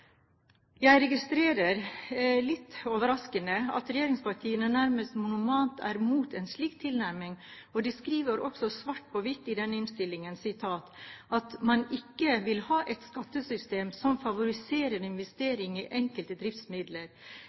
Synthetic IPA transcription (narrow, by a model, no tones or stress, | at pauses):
jæɪɾɛɡɪst̪ɾeːɾəɾlɪt̪ːoːʋəɾɑskənəɑ̰t̪ɾɛjeːɾɪŋspɑʈʰiːənənæɾməst̪mʊnʊmɑːnt̪ʰæ̰ːɾmuːt̪ʰɛnʂɭiːkt̪ʰːɪlnæɾmɪŋ | ɔd̪ɛskɾiːʋəɾʔɔksɔsʋɑʈ̚ːpʰɔʋɪt̪ːɪd̪ɛnːəɪnst̪ɪlːɪŋənsɪt̪ʰɑːt̪ɑt̪mɑnɪkːəʋɪlhɑːʔɛt̪skɑt̪ːəsʏst̪eːmsɔmfɑʋʊɾɪseːɾənɪnʋɛst̪eːɾɪŋiʔɛŋkəlt̪əd̪ɾɪft̪smɪd̪ləɾ